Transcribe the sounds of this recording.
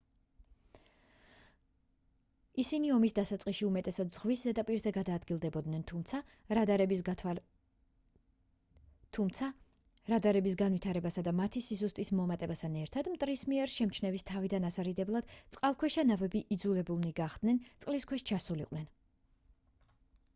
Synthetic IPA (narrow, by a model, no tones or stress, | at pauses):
isiniɔmisd̪asat̪sʼqʼiʃiumɛt̪ʼɛsad̪z̥ʁwiszɛd̪apʼiɾzɛɡad̪aːd̪ɡilˠd̪ɛbɔd̪nɛnt̪ʰumt̪sʰa | ɾad̪aɾɛbi | t̪ʰumt̪sʰa | ɾad̪aɾɛbisɡanvwit̪ʰaɾɛbasad̪amat̪ʰisisust̪ʼismɔmat̪ʼɛbast̪ʰanɛɾt̪ʰad̪mt̪ʼɾismiɛɾʃɛmt͡ʃʰnɛvist̪ʰavid̪anasaɾid̪ɛblˠad̪̥t̪sʼqʼalˠkʰwɛʃanavɛbiʔid̪zulɛbulˠniɡaχd̪̥nɛnt̪sʼqʼliskʰwɛʃt͡ʃʰasuliqʼwnɛn